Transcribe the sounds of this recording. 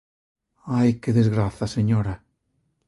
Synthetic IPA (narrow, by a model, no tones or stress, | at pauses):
ajkeðezɣɾaθɐseɲoɾa